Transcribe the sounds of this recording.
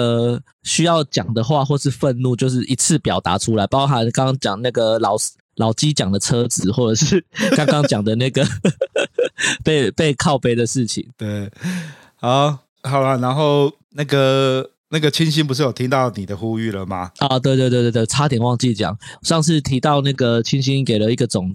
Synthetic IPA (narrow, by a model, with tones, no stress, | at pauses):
ə˧˩ | ɕy˥jɑ˥˩ʊt͡ɕjɑ̰˨˩ŋd̪ə˦xwa˥˧xwɔ˥˧ʂɻ̩˥˧fə˥˧nnu˥˧t͡ɕjo˥˧ʊʂ̬ɻ̩˥˩ʔi˧˥t͡s̩ʰ˥˩pjɑ˨˩ʊt̪a̰˧˥ʈ͡ʂʰu˥la˧˦ɪpɑ˥ɦa˧˦nka˥˦ŋ˥ŋt͡ɕjɑ˨˩ŋna˥˩ɡə˩lɑ˨˩ʊ | lɑ˨˩ʊt͡ɕi˦˥t͡ɕjɑ˨˩ŋd̪ə˦t͡sʰɤ˥t͡sɹ̩˨˦xwɔ˥˩ʈ͡ʂə˨˩ʂɻ̩˥˩kɑ˥ŋkɑ˦˥ŋt͡ɕjɑ˨˩ŋd̪ə˩na˥˩ɡə˩ | pe˥˧ɪpe˥˧ɪkʰɑ˥˩ʊpe˨˥ɪd̪ə˨ʂɻ̩˥˩t͡ɕʰḭ˨˩˦ŋt̪we˥˩ɪ | ha˨˦ | hɑ˨˩ʊlə˦na˧˦nxo˥˨ʊ | na˥˩ɡə˩ | na˥˩ɡə˩˨t͡ɕʰi˦˥nɕi˥˦np̬u˧ʂ̬ɻ̩˥˩jo˨˩t̪ʰi˦ŋt̪ɑ˥˨ʊni˨˩d̪ə˦xu˦y˥˩lə˩ma̰˩ɔ˨˩t̪we˥˧t̪we˧t̪w̪̬t̪wɪʈ͡ʂʰa˥t̪ʰi˨˩nwɑ˥˧ŋt͡ɕi˥˩t͡ɕjɑ̰˨˩˦ŋ˨ʂɑ˥˧ŋʂ̬ɻ̩˥˩t̪ʰi˧˥t̪ɑ˥˧ʊna˥˩ɡə˩t͡ɕʰi˥nɕi˦nke˨˩ɪlə˦i˥˩ɡə˨˩t͡sʊ˨˩˦ŋ